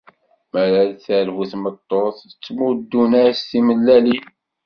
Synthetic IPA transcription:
mæɾælθælhuθmət̪ˤːoθət͡sːmud̪ːunæɾsθiməlːæli

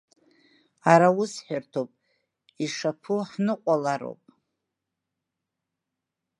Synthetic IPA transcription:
aɾaʊsħartʰopʼ | iʂapʰuħnɨqʷʼalaɾo̰wpʼ

